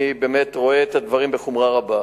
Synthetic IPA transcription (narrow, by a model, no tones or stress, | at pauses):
ibe̞me̞tʁo̞eetad̪vaʁimbeχumʁaʁaba